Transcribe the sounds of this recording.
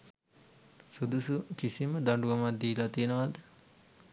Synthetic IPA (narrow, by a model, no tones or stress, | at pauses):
sud̪usukisiməd̪aɳɖuamad̪iːlat̪ijənəʋad̪ə